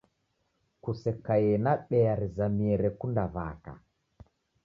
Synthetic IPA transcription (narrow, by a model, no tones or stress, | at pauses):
kusɛkajɛnaɓɛaɾizamiɛɾɛkundaβa̰ka̰